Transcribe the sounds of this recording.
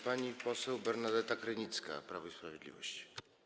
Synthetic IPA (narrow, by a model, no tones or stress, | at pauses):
paɲipɔsɛwbɛɾnad̪ɛt̪akɾɘɲit̪ska̰pɾavɔispɾavʲjɛd̪lʲḭvɔ̰ɕt͡ɕi̥